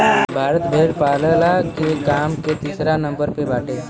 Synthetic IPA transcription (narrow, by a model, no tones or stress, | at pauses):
bʱaːɾət̪bʱeːɖpaːləlakekaːmket̪iːsɾanə̃mbəɾpebaːʈʰeː